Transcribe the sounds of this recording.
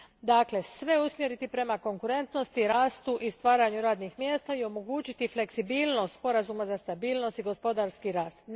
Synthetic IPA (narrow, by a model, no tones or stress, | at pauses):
d̪aːkle̞sʋe̞usmje̞ɾit̪ipɾe̞mako̞ŋkuɾe̞nt̪no̞st̪iɾaːst̪uʔist̪ʋaːɾaɲuɾaːd̪nixmje̞ːst̪aio̞mo̞ɡuːt͡ɕit̪ifle̞ksibiːlˠno̞st̪spo̞ɾazumazast̪abiːlˠno̞st̪iɡo̞spo̞d̪aɾskiɾaːst̪